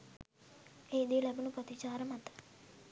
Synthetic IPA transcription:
ejd̪ilɛbunupət̪it͡ʃaːɾəmat̪ə̥

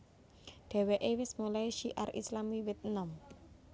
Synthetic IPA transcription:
ɖ̪̥ɛ̤weʔewɪsmulajʃiʔa̰rislamiwɛt̪̚nam

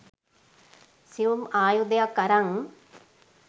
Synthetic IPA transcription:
siʋumaːjud̪ejakːɐɾaŋ

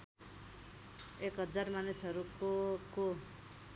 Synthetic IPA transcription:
ekɦʌd͡zarmanisʌɾukoko

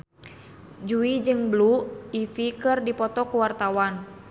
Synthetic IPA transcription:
d͡ʒuid͡ʒɨŋbluifikɨrdipɔt̪ɔkuwart̪awan

